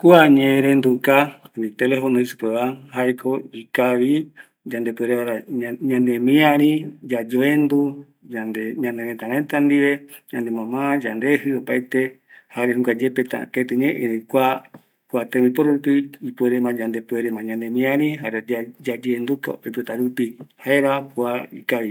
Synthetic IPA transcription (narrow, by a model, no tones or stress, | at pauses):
kuaɲẽɾend̪ukaβit̪elefonõisɨ̥peβaɦajkʰoikaβi | d͡ʒand̪epweɾeβaɾaɲãnemĩãɾĩd͡ʒad͡ʒoend̪u | and̪eɲãneɾẽt̪aɾẽt̪and̪iβed͡ʒãnd̪emãmãd͡ʒand̪ehɨopajt̪e | haɾeɦũkʷad͡ʒepet̪a̰ket̪ɨɲẽʔẽɾekʷa | kwat̪ẽipoɾɾupiipeɾemãd͡ʒand̪epueɾemãɲãnd̪ẽmĩãɾĩɦaɾead͡ʒad͡ʒeːnd̪uk̪o̰oipet̪aɾupihaeɾapuaikaβi